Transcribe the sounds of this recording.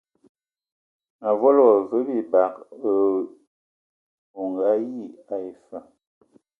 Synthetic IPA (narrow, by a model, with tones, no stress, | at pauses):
na˨vɔ˦lwɔ˨və˦bi˦˨ba˨kə˨ | o˨ŋɡa˦ji˦˨a˨i˨fa˨